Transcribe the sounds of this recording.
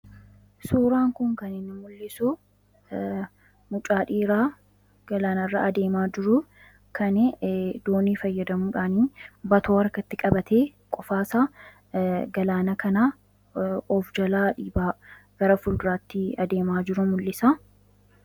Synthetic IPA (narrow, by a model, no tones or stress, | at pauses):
suːɾaːŋkʊŋkɐnɪnːɪmʊlːɪsʊ | mʊt͡ʃʼaːᶑiːɾaː | ɡ̥ɐlaːnɐrːa̰ɐd̪e̞ːmaːd͡ʒɪɾʊ | kʰɐnɛd̪oːniːfɐjːɐd̪ɐmuːᶑaːniːbɐt̪oːɐɾkɐt̪ːɪkʼɐbɐt̪ʰeː | kʼɔfaːsaː | ɡɐlaːnɐkɐnaː | ɔfd͡ʒɐlaːᶑiːbaːɡ̥ɐɾɐfʊld̪ʊɾaːt̪ːɪɐd̪e̞ːmaːd͡ʒɪɾʊmʊlːɪsa